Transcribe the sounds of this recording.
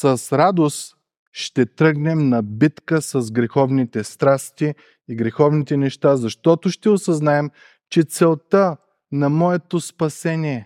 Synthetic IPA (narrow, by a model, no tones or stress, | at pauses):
sɐsɾad̪ost̪ | ʃt̪ɛt̪ɾɤɡnɛmnɐbit̪kəsɐzɡɾɛxɔvnit̪ɛst̪ɾast̪iː | ɡɾɛxɔvnit̪ɛnɛʃt̪azɐʃt̪ɔt̪oʃt̪ɛosɐznaɛm | t͡ʃɛt̪sɛlˠt̪ə | nɐmɔɛt̪ospɐsɛniɛ